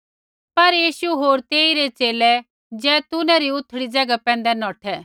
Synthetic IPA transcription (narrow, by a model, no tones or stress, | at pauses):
pɐɾjiːʃuɦoːɾt̪eːiɾet͡ʃeːlɛ | d͡zɛːt̪ʊnɛ̃ɾiʊt̪ʰːɽid͡zɐɡapɛ̃ːnd̪ɛnɔːʈʰɛ